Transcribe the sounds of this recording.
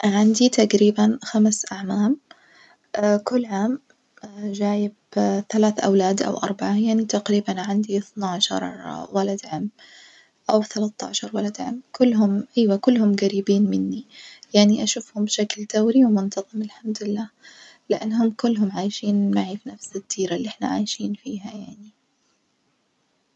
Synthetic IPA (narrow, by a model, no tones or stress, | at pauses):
ʕand̪it̪aqɾiːbanxamsʔaʕmaːm | kʊlːʕaːm | d͡ʒaːjɪbθalaːθʔa̰wlaːd̪ʔa̰wʔɑ̰ɾˤbaʕajaʕnit̪aqɾiːbanʕand̪iθnaʕʃɑ̰ɾˤwalad̪ʕamː | ʔawθalat̪ːɑ̰ːʕʃɑɾˤwalad̪ʕa̰mːkʊlːɦʊmʔajwakʊlːhʊmɡaɾiːbiːnmɪnːijaʕniʔaʃʊfhʊmbʃakld̪̥awɾiwmʊnt̪ɑðˤɨmɪlħamd̪ɪlːaː | lɪʔanːɦʊmkʊlːɦʊmʕaːjʃiːnmaʕiːfnafsɪd̪ːiːɾalːiʔɪħna̰ʕa̰ːjʃiːnfiːɦajaʕni